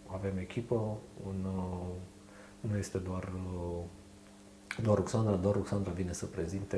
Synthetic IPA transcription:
ave̞me̞kʲipəun | nuje̞st̪e̞d̪oar | d̪oaɾuksand̪ɾad̪oaɾuksand̪ɾavine̞səpɾe̞zint̪e

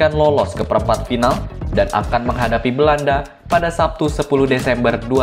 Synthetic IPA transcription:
anlɔlɔskəpəɾəmpat̪̚finaldana̰kanməŋɦadapibəlanda | padasap̚t̪usəpuluhdesɛmbərdua

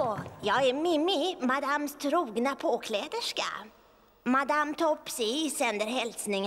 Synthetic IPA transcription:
jɑːɡɛɾmɪmːɪmad̪amst̪ʰɾuːɡnapʰoːkʰlɛːd̪əʂka̰ | mad̪amt̪ʰɔpːsisɛnd̪əɾɦɛlsnɪŋ

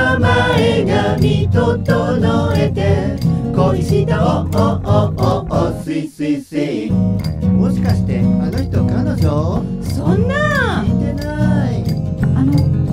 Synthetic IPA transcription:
maeɡamʲit̪ot̪onoet̪ekoiɕit̪ooʔooosɨisɨisɯ | moɕi̥kaɕi̥t̪eanoçi̥t̪okanoɕo | sõnːaet̪enai | ano

